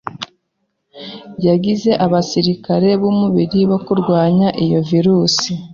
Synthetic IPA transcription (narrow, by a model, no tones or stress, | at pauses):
jaɟize̞ʔaβasiɾikaɾe̞βumuβiɾiβokuɾɡwaːɲaʔijo̞viɾuːsi